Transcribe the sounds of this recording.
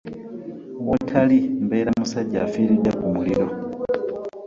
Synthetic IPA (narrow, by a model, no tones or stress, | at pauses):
βotʰalimbeːɾamusaɟːa̰ːfiːɾidakumuliɾo̞